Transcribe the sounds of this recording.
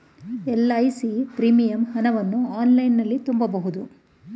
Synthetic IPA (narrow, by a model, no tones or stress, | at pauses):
ɛlːɐːjsipɾiːmijɐmhɐnɐʋɐnːuaːnlɐjnːɐlːit̪umbɐbɐɦud̪u